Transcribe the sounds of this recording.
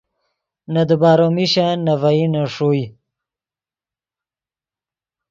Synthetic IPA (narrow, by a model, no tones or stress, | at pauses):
nad̪ubaːɾomiɕanavainaʂuj